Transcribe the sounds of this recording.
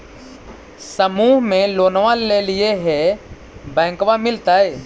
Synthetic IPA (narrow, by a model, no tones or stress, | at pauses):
səmuːɦmẽloːnʋalelɪeɦɛ | bɛ̃ːkʋamɪlt̪aːɦɛː